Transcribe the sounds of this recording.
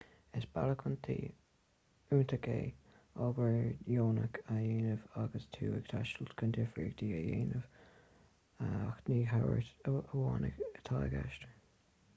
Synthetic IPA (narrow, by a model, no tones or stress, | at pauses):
ɪsb̥aləkʰənt̪ʰiː | uːnt̪ʰəkʰeː | ɔɡəɹjoːnəkʰajeːnəvaɡəst̪ʰuːɪɡ̥t̪ʰaʃtəlt̪kʰənd̪ɪfɹiːɡd̪iːajeːnəv̥ | axniːɦawə̰ɹt̪əəwɑːnə̰ɡət̪ʰaːɡa̰ʃtəɹ